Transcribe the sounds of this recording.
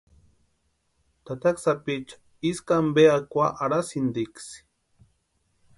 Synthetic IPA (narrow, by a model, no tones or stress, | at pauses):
t̪at̪aksapit͡ʃḁ | iskambeakʷaʔaɾasind̪iks